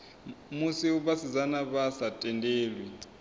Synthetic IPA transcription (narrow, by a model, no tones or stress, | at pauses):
musiuβasid͡zanaβasatʼɛndeːlwɛ